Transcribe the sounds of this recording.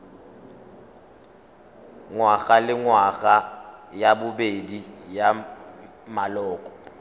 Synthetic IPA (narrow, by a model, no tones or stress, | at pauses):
ŋwaɣalɪŋwaɣajabʊbedija | malɔːkʼɔ̥